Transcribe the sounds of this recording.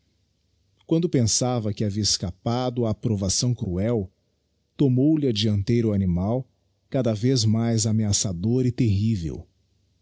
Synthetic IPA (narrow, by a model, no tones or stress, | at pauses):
kwɐ̃nd̪ʊpẽsavɐkɪaviɐɪskapad̪ʊaːpɾovasɐ̃w̃kɾuɛw | t̪omowlɪɐd͡ʒiɐ̃nt̪ejɾʊanimaw | kad̪ɐvezmajzameasad̪oɾɪt̪eɦivḛw